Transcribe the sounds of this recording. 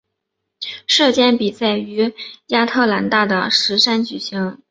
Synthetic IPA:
ʂɤ˥˧˩t͡ɕjɛ˥˩npi˨˩t͡sa˥˩ɪy˧˥ja˥t̪ʰɤ˥˩la˧˥nt̪a˥˩d̪ə˩ʂɻ̩˧˥ʂa˥nt͡ɕy˨˩ɕi˧˥ŋ

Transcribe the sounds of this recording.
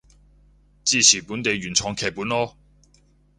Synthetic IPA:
t͡siː˥˧sʰiː˨˩puː˨˥nt̪e˨˧jɥyː˨˩nt͡sʰɔː˨˥ŋkʰɛː˨˩k̚puː˨˥nɔː˥

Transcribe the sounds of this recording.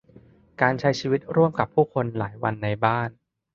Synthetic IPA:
kaː˧nt͡ɕʰa˦˥jt͡ɕʰiː˧wi˦˥t̪̚ɾu˥˩əmka˨˩pʰːuː˥˩kʰo˧nla̰ː˩˦jwa˧nːa˧jbaː˥˩n

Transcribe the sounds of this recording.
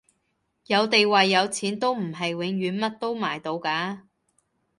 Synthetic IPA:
jɐ˨˧wt̪e˨jwɐ˨jːɐ˨˧wt͡sʰiː˨˥nt̪o˥wm̩˨˩ɦɐ˨jwɪ˨˥ŋɥyː˨˧nmɐ˥t̚t̪o˥wmaː˨˩jt̪o˧wkaː˨˥

